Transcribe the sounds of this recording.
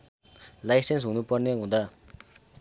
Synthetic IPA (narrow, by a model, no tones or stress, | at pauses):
lajsensunuparneŋod̪a